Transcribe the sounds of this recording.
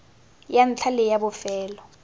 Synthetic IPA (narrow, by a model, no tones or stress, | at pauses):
jan̩t͡ɬʰalɛjabʊfɛːlɔ